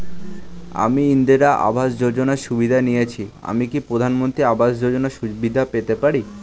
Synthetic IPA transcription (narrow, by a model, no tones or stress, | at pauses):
a̰miind̪iɾaʔa̰bʱaʃd͡ʑod͡ʑonaɾʃubid̪ʱanijet͡ɕʰia̰mikipɾod̪ʱanmont̪ɾiabʱaʃd͡ʑod͡ʑonaʃubid̪ʱapet̪epaɾi